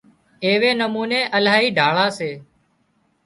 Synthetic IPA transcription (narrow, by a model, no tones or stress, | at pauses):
eːʋeːnəmuːneːʔəlaːɦiːɖʱaːɭaːseː